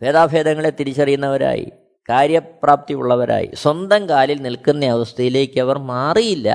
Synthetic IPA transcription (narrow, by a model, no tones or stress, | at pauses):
feːd̪aːbʱe̞ːd̪ɐŋːɐɭet̪ːiɾit͡ɕːɐrijunːɐʋɐɾa̰ːjḭ | kaːɾjɐpraːp̚t̪iṵɭːɐʋɐɾa̰ːjḭswɐnd̪ɐmkaːlilnilkunːɐɐʋɐst̪ɐjile̞ːkːɨɐʋɐrmaːrijilːɐ̰